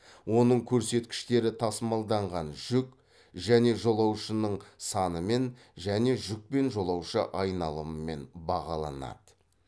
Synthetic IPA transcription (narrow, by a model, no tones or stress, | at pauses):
wo̞nəɴkʲʰɵɾse̞t̪kʲɪ̥ʃt̪e̞ɾɪt̪ʰɑsəmɑlˠd̪ɑɴʁɑnʒʏk | ʒæne̞ʒo̞lˠɑwʃənəɴsɑnəme̞n | ʒæne̞ʒʏk̚pe̞nʒo̞lˠɑwʃəʔɑjnɑlˠəməmːe̞nbɑʁɑlˠɑ̰nɑ̰d̪̥ə̥